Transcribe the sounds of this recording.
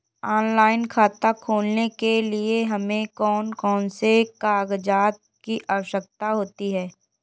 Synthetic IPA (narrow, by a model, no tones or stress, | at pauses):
ɔːnlaːɪnkʰaːt̪akʰoːlnekelieɦɐmẽkɔːnkɔːnsekaːɡd͡ʒaːt̪̚kiʔaːʋəʃək̚t̪aɦoːt̪iɦɛː